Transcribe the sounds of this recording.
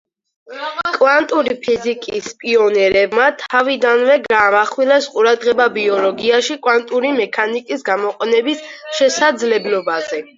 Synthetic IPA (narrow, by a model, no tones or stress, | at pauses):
kʼvant̪ʼuɾipʰizikʼispʼiɔnɛɾɛbmat̪ʰavid̪anvɛɡaːmaχwilɛsqʼuɾad̪ʁɛbabiɔlɔɡiaʃikʼwant̪ʼuɾimɛkʰanikʼisɡamɔqʼɛnɛbisʃɛsad̪zlɛblɔbazɛ